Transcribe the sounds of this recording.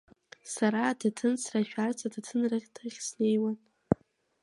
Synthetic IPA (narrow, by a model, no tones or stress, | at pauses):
saɾaːdʰatʰɨnsʰraʃᶣart͡sʰadatʰɨnrɨχʲtʰɨχʲsne̞jwan